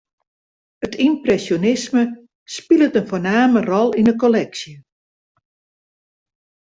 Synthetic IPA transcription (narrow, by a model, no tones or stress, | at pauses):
ətʰimprɛsjonɪsmə | spilˠətənfoːnaːmərɔlˠinəkolɛksjə